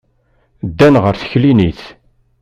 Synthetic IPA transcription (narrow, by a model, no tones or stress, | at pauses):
d̪ːænʁəɾθə̥çliniθ